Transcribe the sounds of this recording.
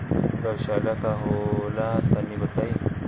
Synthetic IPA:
ɡaʃalakaɦolat̪anːibat̪aj

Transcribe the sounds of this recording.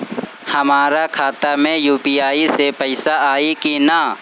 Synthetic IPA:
hɐmaːɾakʰaːt̪amẽjuːpiaːisepəɪsaaːikina

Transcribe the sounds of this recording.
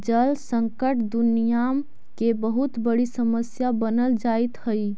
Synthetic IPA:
d͡ʒəlsəŋkəʈd̪unijam | kebəɦut̪bəɽisəməsjabənəld͡ʒajt̪həj

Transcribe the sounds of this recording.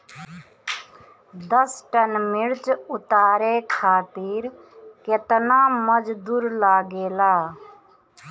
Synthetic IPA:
d̪əsʈənmiɾt͡ʃʊt̪aːɾekʰaːt̪iɾ | ket̪naməd͡ʒd̪uːɾlaːɡeːlaː

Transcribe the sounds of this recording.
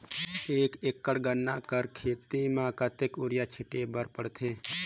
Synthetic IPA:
eːkekːəɽɡənːakəɾkʰeːt̪imãːkət̪ekʊɾjat͡ʃʰɪʈebəɾpəɽt̪ʰeː

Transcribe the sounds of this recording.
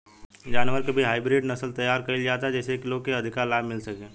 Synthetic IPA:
d͡ʒaːnʋəɾkebʱiɦaːɪbɾɪɖnɐsəlt̪ɐjːaːɾkɐɪld͡ʒaːt̪aɦɛd͡ʒɛːsekɪlõkeɐd̪ʱɪkaːɾlaːbmɪlsɐkẽː

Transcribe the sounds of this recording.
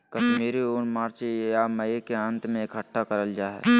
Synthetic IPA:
kɐʃmiːɾioːnmaːɾt͡ʃejaməekeə̃nt̪mẽɪkɦəʈːakɐɾəld͡ʒaːɦɛ̰ː

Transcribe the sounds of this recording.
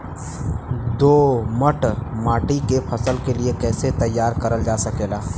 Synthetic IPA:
d̪oːməʈmaːʈikepʰɐsəlkeliekɛːset̪ɐjːaːɾkɐɾəld͡ʒaːsɐkeːlaː

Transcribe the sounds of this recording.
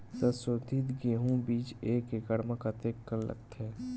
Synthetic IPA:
səsoːd̪ʱɪt̪ɡeːɦũbiːt͡ʃeːkeɡəɽməkat̪eːkːəllə̰ɡt̪ɦɛː

